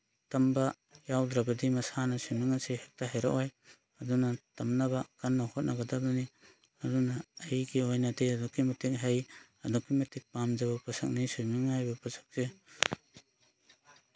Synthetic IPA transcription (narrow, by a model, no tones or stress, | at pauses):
tɐmbɐ | jawdɾɐɡɐdimɐsanɐsumiŋɐsehek̚taɦejɾa̰ʔaj | ɐdunɐtɐmnɐbɐkɐnːahot̚nʔɐɡɐdɐbɐni | ɐdunɐːjɡiojnɐdeɐdukimɐtik̚ɦej | ɐdokːimɐtik̚pamd͡ʒɐbɐpɐsɐ̰k̚nisumiŋajbɐpɐsḁk̚se